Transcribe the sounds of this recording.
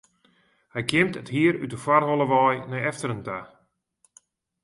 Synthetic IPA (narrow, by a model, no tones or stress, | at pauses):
hɛjkjɪmtəthiəɾytəfwarɦolˠəʋɔːjnɛjɛftərənta